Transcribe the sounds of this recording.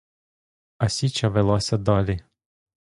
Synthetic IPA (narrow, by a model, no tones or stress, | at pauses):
ɐsʲit͡ʃɐʋelˠɔsʲɐd̪ɑlʲi